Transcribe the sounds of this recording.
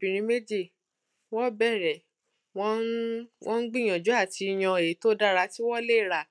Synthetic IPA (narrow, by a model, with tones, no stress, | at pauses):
bĩ˨ɾ̃ĩ˧˦me˦d͡ʒi˦˨ | wɔ˦bɛ˦˨ɾɛ˨ | wɔ̃˦nwʔɔ̃˦n̩˦ɡ͡bĩ˦˨j̃ã˨d͡ʒu˨˦a˦˨ti˧i˧j̃ã˧e˨˦to˦da˦ɾa˧ti˦wɔ˦le˦i˦˨ɾa˦˨